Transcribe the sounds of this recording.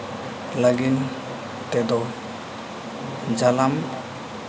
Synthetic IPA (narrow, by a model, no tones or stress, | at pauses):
laɡin | t̪ɛd̪ɔ | d͡ʒalam